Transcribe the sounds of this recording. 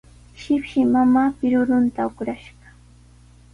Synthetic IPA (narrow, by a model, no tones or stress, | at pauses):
ʃɪpʃɪmamaːpɪɾʊɾʊnt̪aʊkɾaʃɢɑ̥